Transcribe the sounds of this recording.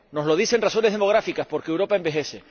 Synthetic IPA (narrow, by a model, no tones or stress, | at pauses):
no̞zloð̞ise̞nraso̞neðe̞moɣ̞ɾafikaspo̞ɾkeːwɾo̞pae̞mbe̞xe̞se̞